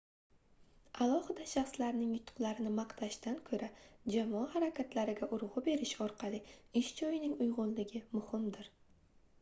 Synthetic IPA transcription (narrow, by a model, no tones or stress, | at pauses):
alˠɒhɪd̪aʃɑχslaɾnɪŋjʊt̪ʰːʊ̥qlˠaɾɪnɪmɑqt̪ʰaʃt̪ankʰɵɾad͡ʒamɒahaɾakʲʰat̪ʰlaɾɪɡʲaʔʊɾʁɨbe̞ɾɪʃɒɾqʰɑlˠɪɪʃd͡ʒɒjɪnɪŋʊjʁʊnlɪɡʲɪmʊhɪmd̪ɪɾ